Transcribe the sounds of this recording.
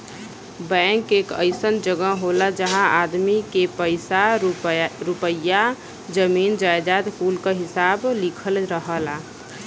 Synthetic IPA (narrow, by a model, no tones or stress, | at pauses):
bɛ̃ːŋkeːkə̰ɪsənd͡ʒəɡəɦoːlad͡ʒəɦãaːd̪mikepəɪsa | ɾupəja | d͡ʒəmiːnd͡ʒaːjd͡ʒaːd̪kuːlkaɦɪsaːblikʰəlɾəɦəla